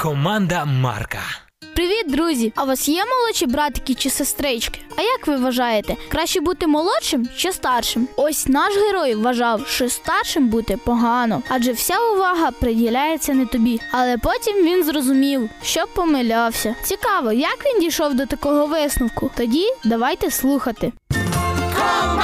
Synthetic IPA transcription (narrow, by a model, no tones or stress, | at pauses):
kɔmɑnd̪ɐmɑ̰rkɐ̰ | pɾɪʋʲid̪̚ɾuzʲiɐʋɔsjɛmɔlˠɔt͡ʃibɾɑt̪kʲit͡ʃɪsest̪ɾɪt͡ʃkɪ̥ɐjɐkʋɪʋɐʒɑjet̪ɛkɾɑʃt͡ʃɛbut̪ɪmɔlˠɔt͡ʃɪmʃt͡ʃɛst̪ɑrʃɪmɔsʲnɑʃɦeɾɔjʋɐʒɑwʃt͡ʃɔst̪ɑrʃɪmbut̪ɛpɔɦɑnɔɑd͡ʒɛwsʲaʊʋɑɦɐpɾedʲilʲajet͡sʲːɐnɛt̪ɔbʲiɐlˠɛpɔtʲimʋʲinzrɔzʊmʲiwʃt͡ʃɔpɔmɪlʲɑwsʲɐt͡sʲikɑʋɔjɐkʋʲindʲijʃɔwd̪ɔt̪ɐkɔɦɔʋɪsnʊwkʊt̪ɔdʲid̪ɐʋɑjt̪ɛslˠuxɐt̪ɪ